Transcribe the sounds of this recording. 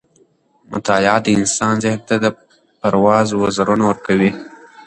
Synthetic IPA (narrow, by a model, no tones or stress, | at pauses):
mʊ̰t̪ajɑːd̪əɪnsɑːnzɪhnt̪ad̪ə | pɐɾwɑːzwazaɾunowəɾkawi